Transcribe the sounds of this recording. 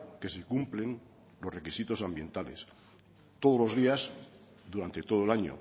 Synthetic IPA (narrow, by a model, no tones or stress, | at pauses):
ke̞sekumplen | lo̞sre̞kisit̪o̞sambjẽ̞nt̪ale̞̰s | t̪oð̞o̞zlo̞zðias | d̪uɾant̪e̞t̪oð̞oelaɲo̰